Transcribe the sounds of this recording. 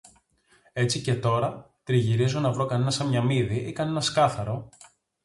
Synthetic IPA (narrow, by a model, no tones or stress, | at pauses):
e̞t͡sice̞t̪o̞ɾɐ | t̪ɾiʝiɾizonɐvɾo̞kɐne̞nɐsɐmɲɐmiðiʔikɐne̞nɐskɐθɐɾo̞